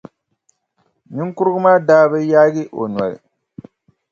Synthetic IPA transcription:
nɪ˦ŋ˦kʊ˦ɾɡʊ˦maː˦daː˦bɨ˦jaː˦ɡi˦ʔo˨n˨a̰˨ɾḭ˨

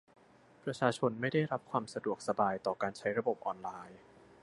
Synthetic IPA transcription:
pɾa˧t͡ɕʰaː˧t͡ɕʰo˧nma˥˩jda˥˩jɾa˦˥p̚kʰwaː˧msa˧du˨˩ək̚sa˧baː˧jt̪ɔː˨˩kaː˧nt͡ɕʰa˦˥jɾa˧bo˨˩p̚ʔɔː˧nlaː˧j

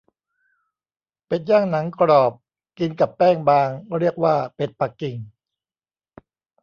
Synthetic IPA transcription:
pe˨˩njaː˥˩ŋna˩˦ŋkɾɔː˨˩p̚ | ki˧nka˨˩pːɛː˥˩ŋbaː˧ŋɾi˥˩ək̚waː˥˩pe˨˩t̪̚pa˨˩kːi˨˩ŋ

